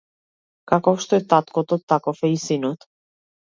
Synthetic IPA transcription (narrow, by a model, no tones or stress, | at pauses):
kakoʃt̪et̪at̪kot̪ot̪ːakofejisinut̪